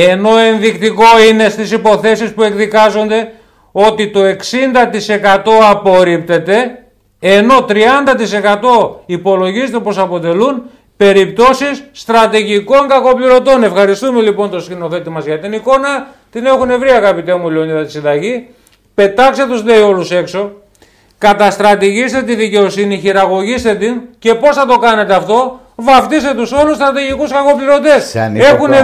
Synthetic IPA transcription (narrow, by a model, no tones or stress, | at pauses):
e̞no̞e̞nðikt̪iko̞ine̞st̪isipo̞θe̞sispue̞kðikɐzo̞nd̪e̞ | o̞t̪it̪o̞e̞ksind̪ɐt̪ise̞kɐt̪o̞ɐpo̞ɾip̚t̪e̞t̪e̞ː | no̞t̪ɾiɐnd̪ɐt̪ise̞kɐt̪o̞ipo̞lo̞ʝizet̪epo̞sɐpo̞t̪e̞lun | pe̞ɾip̚t̪o̞sisːt̪ɾɐt̪iʝiko̞ŋɡɐko̞pliɾo̞t̪o̞ne̞fxɐɾist̪ume̞lipo̞nt̪oskino̞θet̪imɐzʝɐt̪iniko̞nɐ | t̪ine̞xune̞vɾiɐɣɐpit̪e̞muleonɐtɐt̪isind̪ɐʝi | pe̞t̪ɐkse̞t̪uzle̞io̞luse̞kso̞ | kɐt̪ɐst̪ɾɐt̪iʝist̪e̞t̪iðice̞o̞siniçiɾɐɣo̞ʝist̪e̞t̪ince̞po̞sθɐt̪o̞kɐne̞t̪eɐft̪o̞ | vɐft̪ist̪e̞t̪uso̞lust̪ɾɐt̪iʝikuskɐko̞pliɾo̞t̪e̞snexune